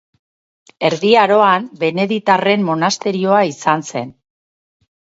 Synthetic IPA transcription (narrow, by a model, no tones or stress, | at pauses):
e̞ɾðiaɾo̞ambe̞ne̞ðit̪are̞mːo̞nast̪e̞ɾio̞aisanse̞̰n